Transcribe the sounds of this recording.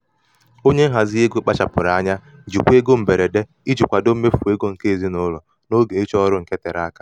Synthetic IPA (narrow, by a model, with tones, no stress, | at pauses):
o˦ɲe˦ŋ̩˦ɦa˨zɪ˦e˦ɡu˦k͡pa˦t͡ʃa˨pʊ˨ɾa˨a˦ɲa˦ | d͡ʒi˨kʷu˦e˦ɡo˦m̩˨be˨ɾe˨de˦ | i˦d͡ʒi˨kʷa˨do˦me˦fu˨e˦ɡo˦ŋ̩˨ke˦˨zi˦nʊ˦lɔ˨ | no˦ɡe˨e˦t͡ʃɔ˦ɾʊ˦ŋ̩˨ke˦te˨ɾa˦ka˦